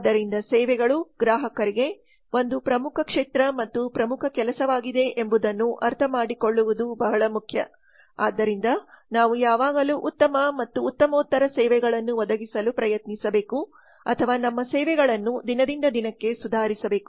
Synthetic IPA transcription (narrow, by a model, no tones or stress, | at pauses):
d̪ːɐɾind̪ɐsɛːʋɛɡɐɭuɡɾaːɦɐkɐɾiɡe̞ | o̞nd̪upɾɐmukʰɐkʂeːt̪ɾɐmɐt̪ːupɾɐmukʰɐkɛlɐsɐʋaːɡid̪e̞ʔembud̪ɐnːuʔɐɾt̪ʰɐmaːɽiko̞ɭːuʋud̪ubɐɦɐɭɐmukʰjɐ̰ | a̰ːd̪ːɐɾind̪ɐnaːʋujaːʋaːɡɐluʔut̪ːɐmɐmɐt̪ːuːt̪ːɐmoːt̪ːɐɾɐsɛːʋɛɡɐɭɐnːuʋɔd̪ɐɡisɐlupɾɐjɐt̪nisɐbe̞ːku | ɐ̰t̪ʰɐʋaːnɐmːɐsɛːʋɛɡɐɭɐnːud̪inɐd̪ind̪ɐd̪inɐkːe̞sud̪ʱaːɾisɐbe̞ːku̥